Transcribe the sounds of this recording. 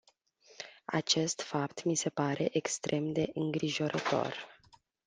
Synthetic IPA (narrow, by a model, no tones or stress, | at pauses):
a̰t͡ʃe̞st̪fapt̪mise̞paɾe̞ʔekst̪ɾʔe̞md̪e̞ʔɨŋɡɾiʒo̞ɾət̪o̞̰r